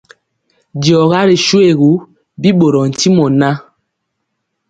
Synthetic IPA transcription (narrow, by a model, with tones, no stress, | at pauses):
djɔ˨ɣa˦ɾi˨ʃu˦e˦˨ɣu˦ | bi˦ɓo˨ɾɔ˨n̩˨ti˦mɔ˨na˦